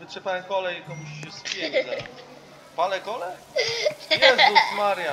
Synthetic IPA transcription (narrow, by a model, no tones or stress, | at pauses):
vɘtʂɛpaɛkɔlɛjikɔmuɕɕɛspʲjɛɡa | palɛkɔlɛ | jɛzmaɾja